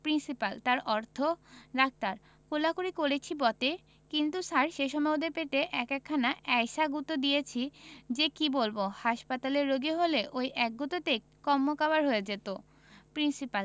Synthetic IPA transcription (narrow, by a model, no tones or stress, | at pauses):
pɾinsipalt̪aɾɔɾt̪ʰoɾak̚t̪aɾ | kolakuɾikoɾet͡ɕʰibɔt̪e | kint̪usaɾʃeʃɔmaod̪eɾpet̪eʔɛkɛkʰːanaʔɛjʃaɡut̪od̪ijet͡ɕʰid͡ʑekibolbohaʃpat̪aleɾːoɡiɦoleʔojʔɛk̚ɡot̪ot̪e | kɔmːokabaɾɦoed͡ʑet̪o | pɾinsipal